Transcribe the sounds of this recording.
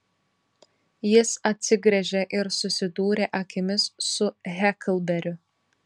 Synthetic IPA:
jɪsɐt̪ʲsʲɪɡɾʲɛʒʲɛʔɪɾsʊsʲɪd̪uːɾʲeːʔɐkʲɪmʲɪsːʊɣʲɛkʲlˠbʲɛɾʲʊ

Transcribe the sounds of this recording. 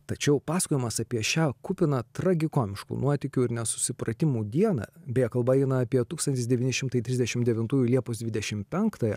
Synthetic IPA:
t̪ɐt͡ʃʲɛʊpɑːskoːjɪmɐsɐpʲiɛʃʲæːkʊpʲɪnɐt̪ɾɐɡʲɪkoːmʲɪʃkṵːnuɔt̪ʲɪkʲʊɪɾnʲɛsʊ̥sʲɪpɾɐt̪ʲɪmuːd̪ʲiɛnɐ̰ːbʲɛjɛkɐlˠbɐɛɪnɐɑːpʲiɛt̪uːkst̪ɐnt̪ʲɪsd̪ʲɛʋʲiːnʲɪʃʲɪmt̪ɐɪt̪ʲɾʲɪzʲd̪ʲɛʃʲɪmd̪ʲɛʋʲɪnt̪uːjulʲiɛpoːsd̪ʋʲɪd̪ʲɛʃʲɪmpʲɛŋkt̪ɐjɛ

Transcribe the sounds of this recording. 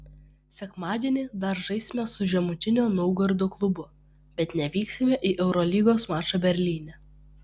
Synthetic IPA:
sʲɛkmɑːd̪ʲiɛnʲɪːd̪ɐɾʒɐɪsʲmʲɛsʊʒʲɛmʊt̪ʲɪnʲoːnɔʊɡɐɾʲd̪oːklˠʊbʊ | bʲɛt̪nʲɛʋʲiːksʲɪmʲɛʔiːʔɛʊɾɔlʲiːɡoːsmɑːt͡ʃobʲɛɾʲlʲiːnʲɛ

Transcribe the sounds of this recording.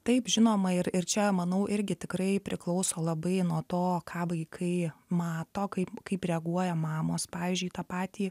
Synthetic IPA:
t̪ɐɪpʒʲɪnoːmɐɪrɪt͡ʃʲɛmɐnɐʊʔɪɾʲɡʲɪt̪ʲɪkɾɐɪpʲɾʲɪklˠɐʊsoːlˠɐbɐɪnuɔt̪oːkʰɑːʋɐɪkʰɐɪmɑːt̪oːkɐɪpkɐɪpɾʲɛɐɡuɔjɛmɑːmoːspɑːʋʲiːzʲd͡ʒʲʊɪt̪ɑːpɑːt̪ʲiː

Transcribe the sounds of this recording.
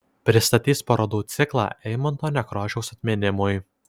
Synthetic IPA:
pʲɾʲɪst̪ɐt̪ʲiːspɐɾoːd̪uːt̪sʲɪklˠɑ̰ːʔɛɪmɐnt̪oːnʲɛkɾoːʒʲɛʊsɐt̪ʲmʲenʲɪmʊj

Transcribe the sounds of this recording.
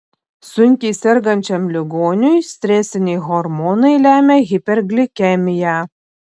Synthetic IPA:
sʊŋʲkʲiːsʲɛɾɡɐnʲt͡ʃʲɛmlʲɪɡoːnʲʊjsʲt̪ʲɾʲæsʲɪnʲɛjɣɔɾmɔnɐɪlʲæːmʲɛɣʲɪpʲɛɾɡlʲɪkʲɛmʲɪjæ

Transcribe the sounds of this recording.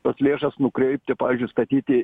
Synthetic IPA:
oːslʲeːʃɐsnʊkɾʲɛɪp̚ʲt̪ʲɪpɑːʋʲɪːzʲd͡ʒʲʊst̪ɐt̪ʲiːt̪ʲɪ

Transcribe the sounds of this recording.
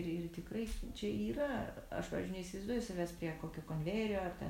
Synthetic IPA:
rɪrt̪ʲɪkrɐɪt͡ʃʲɛiːrɐɐ̰ʃpɑ̰ːɛʒʲd͡ʒʲʊnʲɛɪisʲɪʋɐɪzd̪uːjʊsʲɐʋʲæːspʲɾʲiɛkoːkʲoːkonʲʋʲeːɾʲɪjoːɐrt̪ʲɛ̰

